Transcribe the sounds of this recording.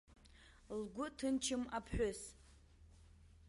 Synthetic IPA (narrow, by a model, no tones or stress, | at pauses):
lɡʷʊtʰɨnt͡ʃʰɪmapʰħʷᶣʊs